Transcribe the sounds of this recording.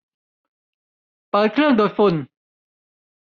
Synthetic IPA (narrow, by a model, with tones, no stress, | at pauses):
paː˨˦˥kʰɾɯ˥˩əŋdoː˧jfu˧˩n